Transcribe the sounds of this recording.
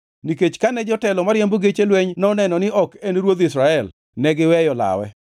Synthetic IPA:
niket͡ʃkanɛd͡ʒɔtɛlɔmaɾjemboɡet͡ʃelweɲnɔnɛnɔnɪʔɔkenɾwod̪ɪsɾaɛl | nɛɡɪwɛjɔla̰wɛ̰

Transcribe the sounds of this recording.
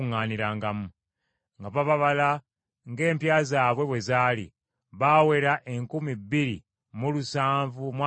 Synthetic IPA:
ŋaːniɾaːŋɡamu | ŋɡaβaβaβala | ŋɡe̞ːmpjaːzaːβwe̞βwe̞zaːlḭ | βaːwe̞ɾaʔe̞ŋkumibːiɾḭ | mulusaːɱvumwa

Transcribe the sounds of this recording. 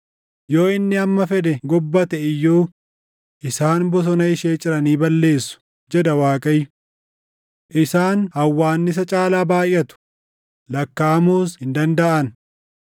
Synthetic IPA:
jo̞ːɪnːɪɐmːɐfɛd̪ɛɡɔbːɐt̪ɛɪjːoː | ʔɪsaːnbɔs̬ɔnɐɪʃeːt͡ʃʼɪɾɐniːbɐlːe̞ːsːʊ̥ | d͡ʒɛd̪ɐwaːkʼɐjːʊ | ʔɪsaːnhɐwːaːnːɪs̬ɐt͡ʃʼaːlaːbaːjʔːɐt̪ʊ̥ | lɐkːaːmuːshɪnd̪ɐnd̪ɐʔɐn

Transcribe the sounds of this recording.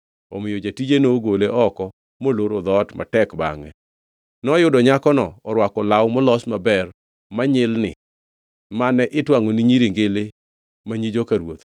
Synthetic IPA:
omɪjod͡ʒatid͡ʒenoɡoleʔɔkɔ | moloɾod̪ɔtmʔa̰tɛkba̰ŋɛ̰ | nɔjʊdɔɲakɔnɔɔɾwakɔlawmɔlɔsmabɛr | maɲɪlnɪ̰ | manɛʔɪtwaŋoniɲiɾiŋɡelɪ | maɲid͡ʒokaɾwot̪

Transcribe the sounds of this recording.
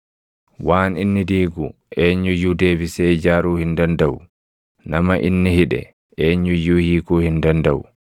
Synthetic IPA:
waːninːidiːɡu | ʔeːɲːujudeːbisɛd͡ʒaɾuːhindandaw | namaʔinːihiɗɛ̰ | ʔeɲːujuhiːkuhindandaw

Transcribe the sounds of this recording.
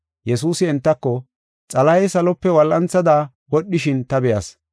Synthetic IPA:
jɛsuːsɪɛnt̪ːɐkːɔ | t͡sʼɐlɐjsɐlɔpːɛwɐlʔɐnt͡sːɐd̪a | wɔɗːɪʃɪnt̪ɐbɛjɐs

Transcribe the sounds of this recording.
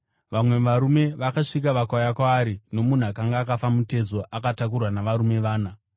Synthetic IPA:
ʋamwe̞ʋaɾume̞ʋakaʂikaʋakajakwaːɾino̞mun̤uakaŋɡaːkafamute̞zo̞ʔakatak̬urwanaʋaɾume̞ʋaːna

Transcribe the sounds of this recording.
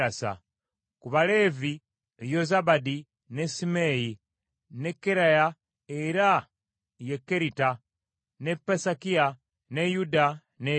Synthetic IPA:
asa̰ | kuβale̞vi | ejozabadi | nesimeji | ne̞kːeɾaja | eɾa | jekːeɾita | nepːesakia | nejuda | ne

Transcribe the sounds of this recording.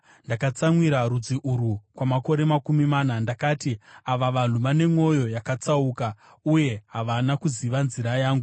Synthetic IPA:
ndakat͡samwiɾaɾud͡ziʔuɾukwamako̞ɾe̞makumimaːnandakaːtiaʋaʋan̤uʋane̞mo̞jo̞jakat͡sauka | uje̞ɦaʋanakuziʋanziɾajaːŋɡu

